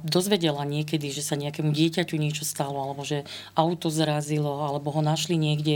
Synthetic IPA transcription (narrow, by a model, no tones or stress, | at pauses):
d̪ɔzʋɛɟɛlaɲɪɛkɛd̪iʒɛsaɲɛakɛːmuɟɪɛcacuɲɪɛt͡ʃɔst̪alɔalɛbɔʒɛ | awt̪ɔzɾazilɔalɛbɔɦɔnaʃliɲɪɛɡɟɛ